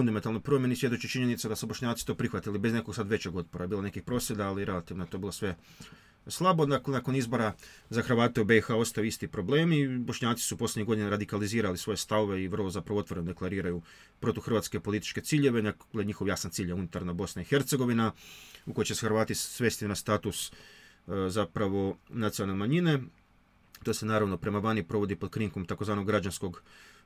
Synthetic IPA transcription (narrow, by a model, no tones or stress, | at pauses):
fund̪ament̪alnojpɾo̞mjenisʋje̞d̪ot͡ɕut͡ʃiɲe̞nit̪sad̪asubo̞ʃɲaːt̪si̥t̪o̞ːpɾixʋat̪ilibe̞zne̞ko̞ɡsad̪ʋe̞t͡ɕeɡo̞t̪̚poɾajebiːlˠone̞kixpɾo̞ːsje̞d̪aːliɾe̞lat̪iːʋnoet̪o̞bilosʋe̞ | slˠabo̞d̪aklenako̞nizbo̞ɾa | zaxr̩ʋaːt̪eube̞ixaːo̞st̪ajuist̪ipɾo̞ble̞ːmibo̞ʃɲaːt̪si̥supslʲeɲiɡo̞d̪ineɾad̪ikaliziːɾalisʋo̞je̞st̪aʋoʋe̞iʋr̩lˠozapɾaʋot̪ʋo̞ɾenod̪e̞klˠaɾiːɾaju | pɾo̞t̪oxr̩ʋat̪ske̞po̞lit̪i̥t͡ʃke̞t̪siːʎe̞ʋe̞nakɡleɲixo̞ʋjaːsant̪siːʎaunit̪aɾnabo̞snaixe̞ɾt̪se̞ɡo̞ʋinauko̞jt͡ɕe̞sexɾʋaːt̪isʋe̞st̪inast̪aːt̪us | zapɾaʋo̞nat̪sialˠnemaɲine̞ | t̪o̞ːse̞naːɾaʋno̞pɾe̞maʋanipɾo̞ʋo̞d̪ipo̞d̪kɾiŋkomt̪ako̞zʋaːno̞ɡɾad͡ʑansko̞ɡ